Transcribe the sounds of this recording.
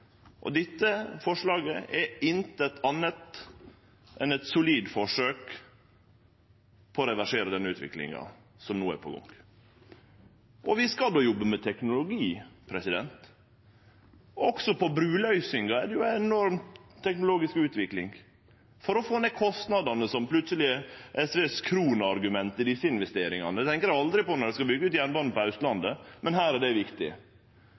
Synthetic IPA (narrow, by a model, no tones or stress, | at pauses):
ʔɔ̰d̪ɪt̪ːəfɔʂlɑːɡəʔɛɪnt̪əɛt̪ʰɑnːət̪ | ʔɛnɛt̪sʊliːd̪fɔʂøːk | pʰɔːɾɛʋæʂeːɾəd̪ɛnːəʉːt̪ʋɪ̰klɪ̰ŋɑ̰ | sɔmnuːæ̰ɾpʰɔɡɔ̰ŋ | ʔɔʋɪskɑld̪oːjɔbːəmɛt̪ʰɛknʊlʊɡiːpʰɾɛsɪd̪ɛ̰nt̪ | ɔksɔpʰɔbɾʉːlœʏsɪŋɡɑɛd̪ɛjʊɛnɔɾmʰːɛknʊloːɡɪskʉːt̪ʋɪklɪŋ | fɔɾɔfoːneːkʰɔst̪nɑd̪ɑnəsɔmpʰlʉt̪səlɪʔɛsʋeːskʰɾuːnɑɾɡʉmɛnt̪ɪd̪ɪsːəɪnʋɛst̪eːɾɪŋɑnət̪ʰɛŋkəɾjæɑld̪ɾɪpɔnɔɾɖɛskɑbʏɡːəʉːt̪jænbɑːn̩pɔɑʉst̪lɑnd̪əmɛnɦæːɾæɖɛʋɪkt̪ɪ